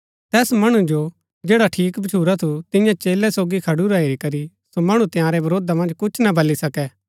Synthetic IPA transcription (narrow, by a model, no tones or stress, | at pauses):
t̪ɛːsmɐɽ̃ud͡ʒo | d͡ʒeːɽaʈʰiːkbɐt͡ʃʰuːɾat̪ʰut̪ɪ̃jãt͡ʃeːlɛsoːɡikʰɐɽuɾaːeɾikɐɾi | somɐɽ̃ũt̪ɪjãːɾɛbɐɾoːd̪amɐ̃nd͡ʒkʊt͡ʃʰnabʱɐlːisɐkɛ